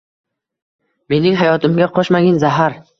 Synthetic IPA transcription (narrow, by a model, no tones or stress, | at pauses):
me̞nɪŋɦajɒt̪ɪmɡʲaqʰɒʃmaɡʲɪnzaɦaɾ